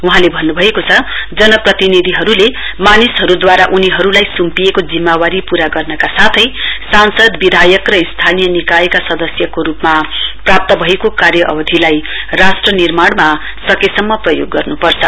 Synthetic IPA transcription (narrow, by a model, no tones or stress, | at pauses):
uɦãlebʱʌnːubʱʌekot͡sʰʌd͡zʌnʌprʌt̪inid̪ʱiɦʌɾule | manisɦʌɾud̪waɾaʔuniɦʌɾulajsumpijekod͡zimːawaɾipuɾaɡʌrnʌkasat̪ʰʌjsansʌd̪bid̪ʱajʌkrʌist̪ʰanijʌnikaekasʌd̪ʌsjʌkoɾupmaprap̚t̪ʌbʱʌekokarjʌʔʌ̰bʌd̪ʱilaj | rasʈrʌnirmaɽma | sʌkesʌmːʌprʌjoɡːʌrnupʌrt͡sʰʌ